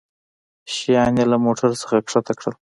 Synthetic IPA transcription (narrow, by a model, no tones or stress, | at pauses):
ʃijɑnjelamoʈʰaɾsə̥xakʂat̪ʰakɽəl